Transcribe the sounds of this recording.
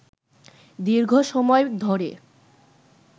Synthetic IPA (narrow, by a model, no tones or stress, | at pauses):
d̪iɾɡʱoʃɔmɔed̪ʱɔɾḛ